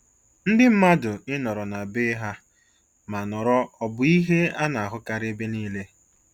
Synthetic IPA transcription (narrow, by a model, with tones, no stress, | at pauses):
n̩˦dɪ˦m̩˦ma˦dʊ˨ɪ˦nɔ˨ɾɔ˨na˨bɪ˦ɦa˦ | ma˨nɔ˨ɾɔ˦ɔ˨bʊ˦i˦ɦe˦a˦na˨a˨ɦʊ˦ka˨ɾɪ˦be˦niː˦le˦